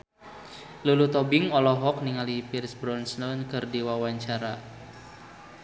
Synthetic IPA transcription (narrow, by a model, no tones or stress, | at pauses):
lulut̪ɔbɪŋɔlɔɦɔk̚niŋalipirsbɾɔnsnɔnkɨrdiwawaɲt͡ʃaɾa